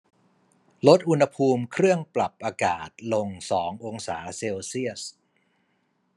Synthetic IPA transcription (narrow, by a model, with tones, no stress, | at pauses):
lo˦˥t̪̚ʔu˧nha˧pʰuː˧mkʰɾɯ˥˩əŋpla˨˩p̚ʔaː˧kaː˨˩t̪̚lo˧ŋsɔː˩˦ŋʔo˧ŋsaː˩˦seː˧wsi˥˩əs